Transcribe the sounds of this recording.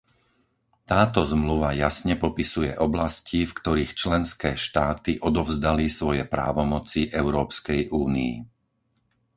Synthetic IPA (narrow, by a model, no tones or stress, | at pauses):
t̪aːt̪ɔzmluʋajasɲɛpɔpisujɛʔɔblascifkt̪ɔɾiːxt͡ʃlɛnskɛːʃt̪aːt̪iʔɔd̪ɔvzd̪alisʋɔjɛpɾa̰ːʋɔmɔt͡siʔɛʊɾɔːpskɛjʔuːnḭḭ